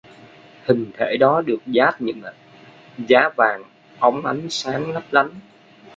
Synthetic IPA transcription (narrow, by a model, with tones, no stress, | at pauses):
hï˨˩ŋ̟t̪ʰḛ˧˩ɗɔ˨˦ɗɨ˨˩ək̚zaː˦˥t̚ɲɨ̰˧˥ŋʔ | zaː˨˦vaː˨˩ŋ | ʔa˨˦wŋ͡mʔa˨˦jŋ̟saː˨˦ŋlə˦˥p̚la˨˦n